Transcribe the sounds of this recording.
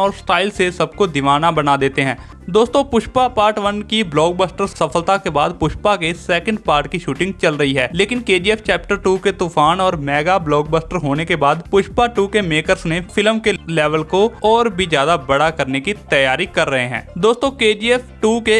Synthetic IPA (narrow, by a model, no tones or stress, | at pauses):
ɔːɾsʈaːɪlsesɐbkod̪ɪʋaːnabɐnad̪eːt̪eɦɛ̃ː | d̪oːst̪õpʊʃpapaːɾʈʋənkiblɔːɡ̚bəːsʈəɾsɐfəlt̪akebaːd̪pʊʃpakesɛːkə̃ɳɖpaːɾʈkiʃuːʈɪ̃ŋɡ̚t͡ʃɐlɾəɦiɦɛːleːkɪnkeːd͡ʒiːɛːft͡ʃɛːp̚ʈəɾʈuːket̪uːfʰaːnɔːɾmɛːɡablɔːɡ̚bəːsʈəɾɦoːnekebaːd̪pʊʃpaʈuːkemeːkəɾsnepʰɪləmkelɛːʋəlkoɔːɾbʱizjaːd̪abɐɽakɐɾnekit̪ɐjaːɾikɐɾːəɦeɦɛ̰̃ːd̪oːst̪õkeːd͡ʒiːɛːfʈuːke